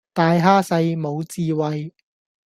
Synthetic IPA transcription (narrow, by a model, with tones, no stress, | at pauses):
t̪aː˨˧jɦaː˥sɐ˧jmo˨˧wt͡siː˧wɐ˨j